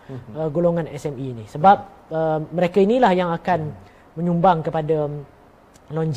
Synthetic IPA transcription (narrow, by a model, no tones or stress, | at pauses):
əɡoloŋãnɛsɛminisəbap̚ | əməɾekainilahjaŋakan | mə̃ɲumbaŋkəpada | loɲd͡ʒ